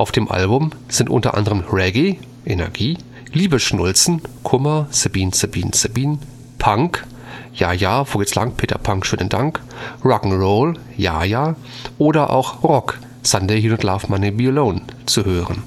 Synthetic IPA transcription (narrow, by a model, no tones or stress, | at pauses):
ʔaʊfd̥eːmʔa̰lbʊmz̥ɪntʔʊ̰ntɐ̰ʔa̰ndəʁəmʁɛɡi | ʔenɛ̰ɐɡiː | liːbəʃnʊlt͡sn̩kʰʊmɐsabiːnsabiːnsabiːn | pʰaŋk | jaːjaːvoːɡət͡sla̰ŋpʰeːtɐ̰pʰaŋkʃøːnəndaŋk | ʁɔkŋ̩ʁoʊl | ja̰ːjaː | ʔoːɾɐʔa̰ʊxʁɔk | sandehiːnʊntla̰ːfmanibiloːnt͡suhøːʁən